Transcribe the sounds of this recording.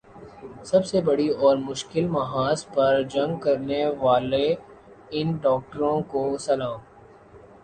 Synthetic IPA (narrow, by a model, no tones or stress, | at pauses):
sɐbsebɐɽiɔːɾmʊʃkɪlmɐɦaːzpɐɾd͡ʒɐ̃ŋɡkɐɾneʋaːle | ɪnɖɔːk̚ʈəɾõkosɐlãːom